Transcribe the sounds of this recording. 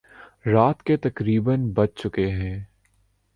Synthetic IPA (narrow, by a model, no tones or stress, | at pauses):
ɾaːt̪ket̪ɐkɾiːbənbɐt͡ʃt͡ʃʊkeɦɛ̃ː